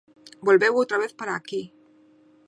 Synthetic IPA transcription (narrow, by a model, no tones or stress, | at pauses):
bolβewot̪ɾaβ̞eθpaɾaːki